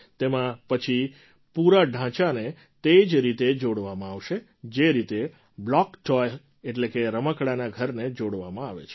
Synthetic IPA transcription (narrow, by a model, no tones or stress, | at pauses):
t̪emãpət͡ʃʰi | puɾaɖʱãt͡ʃane | t̪ed͡ʒɾit̪ed͡ʒoɽʋamãaʋʃe | d͡ʒeɾit̪e | blɔkʈɔj | eʈlekeɾəməkɽanaɡʱəɾned͡ʒoɽʋamãaʋḛt͡ʃʰe